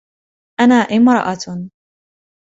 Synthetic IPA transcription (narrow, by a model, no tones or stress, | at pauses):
ʔanaːʔɪmɾɑ̰ʔat